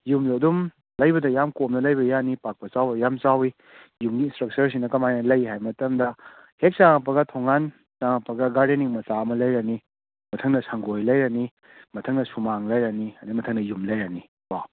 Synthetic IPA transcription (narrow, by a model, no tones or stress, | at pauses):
jumlɐdum | lɐjbɐdɐjamkomnɐlɐjbɐjanipak̚pɐt͡ʃawbɐjamt͡ʃawi | jumɡiːnstɾɐk̚t͡ʃɐɾs̬iŋnɐkɐmajnɐlɐjɦajmɐtɐmdɐ | hek̚t͡ʃaŋɐpɐɡɐtʰoŋːan | saŋɐpɐɡɐɡaɾdenːiŋmɐsaɐmɐlɐjɾɐni | mɐtʰɐŋnɐsɐŋɡojlɐjɾɐni | mɐtʰɐŋnɐsumaŋlɐjɾɐniɐdimɐtʰɐŋnɐjumlɐjɾɐni | ba